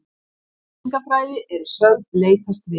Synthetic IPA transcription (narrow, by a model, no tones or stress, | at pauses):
ŋkafɾaːjðɪʔɛɾsœlt̪̚leːjt̪ast̪vɪ